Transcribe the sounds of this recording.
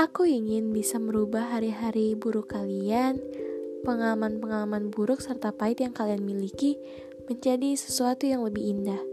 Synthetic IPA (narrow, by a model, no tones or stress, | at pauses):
ʔakuiŋɪnbisaməɾubahaɾiɦaɾibuɾʊkːalianpəŋalamanpəŋalamanbuɾʊksərt̪apaɪt̪jaŋkalianmiliki | məɲd͡ʒadisə̥suat̪ujaŋləbɪhindah